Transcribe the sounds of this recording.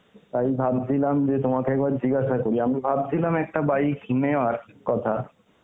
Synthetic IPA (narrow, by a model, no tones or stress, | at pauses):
t̪ajbʱab̚d̪ʰilamd͡ʑet̪omakeɛkbaɾd͡ʑiɡaʃakoɾiamibʱab̚d̪ʰilamɛk̚ʈabajkʰineoaɾkɔt̪ʰa